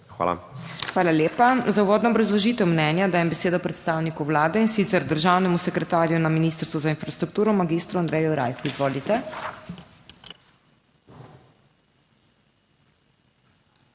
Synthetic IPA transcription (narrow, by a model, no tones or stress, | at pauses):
xa̰ːla̰xʋaːlaljeːpazauʋoːd̪nɔːbɾazlɔʒiːt̪ɛwmnɛnjad̪aːjɛmbɛseːd̪ɔpɾɛt̪st̪aːwnikuwlaːd̪ɛinsit̪sɛɾd̪əɾʒawnɛmusɛkɾɛt̪aːɾjunaminiːst̪əɾst̪ʋɔzainfɾast̪ɾuk̚t̪uːɾɔmaɡist̪ɾuand̪ɾɛjuɾa̰jxuizʋoːlit̪ɛ